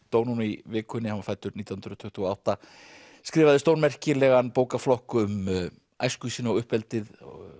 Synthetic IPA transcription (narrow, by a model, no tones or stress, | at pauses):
t̪oːwnunivɪːkʰʏnːɪhavafajt̪ʏɾniːjah̪nɾʏɔt̪ʰʏ̥ht̪ɪɔawht̪a | skɾɪːvaðɪst̪oːwnmɛr̥cɪlɛɣanpoːwkaflɔhkʏm | ajskʏsiːnaɔɣʏhpɛlt̪ɪð